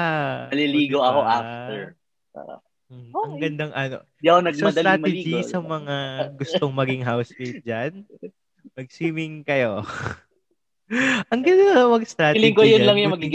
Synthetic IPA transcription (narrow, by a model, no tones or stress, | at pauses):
aɐliliːɡoʔɐkoʔafɛɹ | pa̰ɐ̰ | m̩hɐŋɡɐnd̪aŋʔɐno̰ | anɐɡs̚mɐɐd̪ɐlɾaːt̪ɛd͡ʒisɐmɐŋaɡʊst̪oŋmɐɡɪŋɦawspid͡ʒan | mɐɡ̚siːmɪŋkɐjo | ʔɐŋɡɐnomɐɡst̪ɾaːɪlɪŋkojʊlɐŋjʊmɐɡiɡ